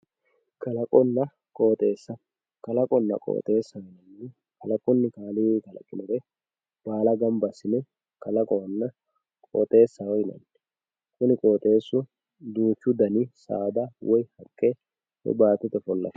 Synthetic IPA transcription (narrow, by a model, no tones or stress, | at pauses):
kɐlɐkʼɔnːɐ | kʼo̞ːt̪ʼe̞ːsːɐ | kɐlɐkʼɔnːɐ̰kʼo̰ːt̪ʼe̞ːsːɐwɔjnɐnːɛ | kɐlɐkʼɔnːɪkaːlɪwɛkɐlɐ̰kʼːɪnʊɾɛ | b̥aːlɐɡɐmbɐsɪnɛ | kɐlɐkʼɔnːɐ | kʼo̰ːt̪ʼe̞ːsːɐwɔjnɐ̰nː | kʊnɪkʼo̞ːt̪ʼe̞ːsːʊ | d̪uːt͡ʃːʊd̪ɐnisa̰ːd̪awʔɔjhɐkʼːe | hɛ̰baːt̪ːɛt̪ɛfɔlːɐ̰